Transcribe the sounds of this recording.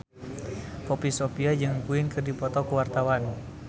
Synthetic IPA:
pɔpisɔpiad͡ʒɨŋkuinkɨrdipɔt̪ɔkuwart̪awan

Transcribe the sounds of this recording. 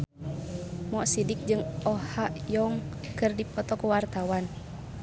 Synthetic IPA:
mɔʔsidik̚d͡ʒɨŋɔhaʔjɔŋ | kɨrdipɔt̪ɔkuwart̪awan

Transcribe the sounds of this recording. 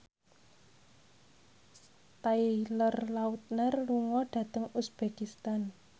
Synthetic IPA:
t̪ailərlaut̪̚nərluŋɔɖ̥ä̤t̪əŋusb̥ekist̪an

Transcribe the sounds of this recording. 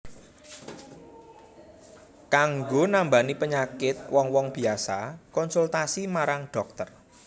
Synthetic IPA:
kaŋɡonambanipəɲakɪt̪̚wɔŋwɔŋb̥i̤asakɔnsult̪asimaɾaŋɖ̥ɔ̤k̚t̪ər

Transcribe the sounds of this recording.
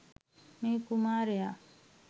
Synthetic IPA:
miːkumaːɾejaː

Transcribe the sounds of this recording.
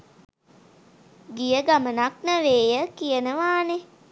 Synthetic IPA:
ɡijəɡamənaknəʋeːjəkijənəʋaːne

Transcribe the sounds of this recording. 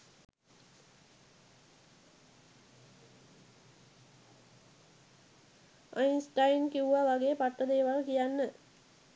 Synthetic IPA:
ajinsʈajnkiuʋaʋaɡeːpaʈːəd̪eːʋalkijanːə

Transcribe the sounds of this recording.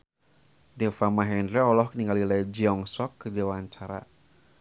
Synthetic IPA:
defamaɦɛndɾɛɔlɔhkəniŋɡalilajd͡ʒiɔŋsɔkːədewaɲt͡ʃaɾa̰

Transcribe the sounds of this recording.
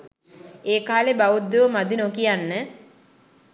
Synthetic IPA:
eːkaːlebaud̪ːoʋəmad̪inokijanːə

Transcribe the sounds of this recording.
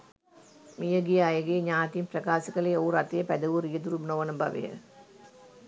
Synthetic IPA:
mijɐɡijajɐɡeːɲaːt̪impɾɐkaːsɐkɐleoːɾɐt̪ijɐpæd̪ɐʋuɾijɐd̪uɾubnoʋɐnɐbɐ̰ʋḛjə̰

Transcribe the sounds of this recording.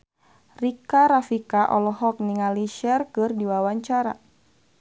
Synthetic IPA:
rikaɾafikaʔɔlɔɦɔk̚niŋaliʃɛrkɨrdiwawaɲt͡ʃaɾa

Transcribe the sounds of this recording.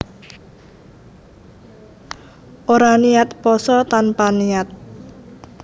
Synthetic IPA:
ʔoɾaniat̪pɔsɔt̪anpanijat̪̚

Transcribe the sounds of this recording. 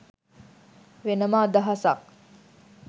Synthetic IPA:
ʋenəmaːd̪ɐɦɐsak̚

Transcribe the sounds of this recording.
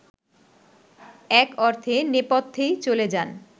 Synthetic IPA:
ɛkɔɾt̪ʰenepot̪ʰːejt͡ɕoled͡ʑan

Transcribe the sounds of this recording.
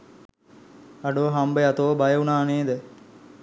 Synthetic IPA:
ɐɖoɦambəjat̪oʋəbajəunaːneːd̪ə

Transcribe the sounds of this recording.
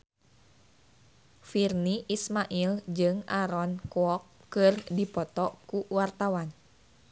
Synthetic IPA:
firniʔismaʔild͡ʒɨŋaɾɔnkuɔkkːɨrdipɔt̪ɔkuwart̪awan

